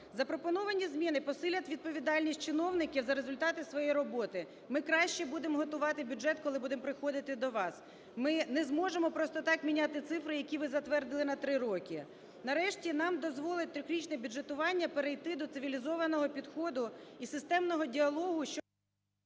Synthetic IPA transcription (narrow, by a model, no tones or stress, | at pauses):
zɐpɾɔpɔnɔʋɐnʲizmʲinɪpɔsɪlʲɐt̪ʲʋʲid̪̚pɔʋʲid̪ɑlʲnʲisʲt̚ʲt͡ʃɪnɔwnɪkʲiwzɐɾezʊlʲt̪ɑt̪ɪsʋɔjejɾɔbɔt̪ɪ | mɪkɾɑʃt͡ʃɛbud̪emɦɔt̪ʊʋɑt̪ɪbʲuʒɛt̪kɔlˠɪbud̪empɾɪxɔd̪ɪt̪ɪd̪ɔʋɑs | mɪnɛzmɔʒemɔpɾɔst̪ɔt̪ɑkmʲinʲat̪ɪt̪sɪfɾɪjɐkʲiʋɪzɐt̪ʋɛrd̪ɪlˠɪnɐt̪ɾɪɾɔkʲi | nɐɾɛʃtʲinɑmd̪ɔzʋɔlˠɪt̚ʲt̪ɾʲʊklʲit͡ʃnɛbʲudd͡ʒet̪ʊʋɑnʲːɐpeɾejt̪ɪd̪ɔt̪sɪʋʲilʲizɔʋɐnɔɦɔpʲid̪xɔd̪ʊisɪst̪ɛmnɔɦɔdʲiɐlˠɔɦʊʃt͡ʃɔ